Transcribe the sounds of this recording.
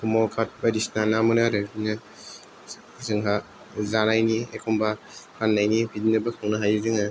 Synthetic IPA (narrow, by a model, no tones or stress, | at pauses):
kʰumɔlkʰat̚badisnanamɯnaɾɯnɯ | zɯŋɦa | zanajniekʰombahʰanːajnibʰidinɯbɐkʰawnaɦajɯzɯŋa